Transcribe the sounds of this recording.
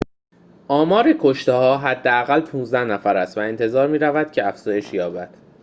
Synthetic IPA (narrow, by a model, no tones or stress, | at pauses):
ʔɒːmɒːɾikʰoʃt̪ehɒːɦæd̪ːeæɣælpʰũːnzd̪æhnæfæɾæst̪væe̞nt̪ʰe̞zɒːɾmiːɾævæd̪̥cʰeæfz̥ɒːje̞ʃjɒːbæd̪̥